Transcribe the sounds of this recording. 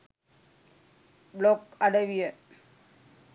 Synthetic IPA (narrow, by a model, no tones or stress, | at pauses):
blokɐɽɐʋɪjɐ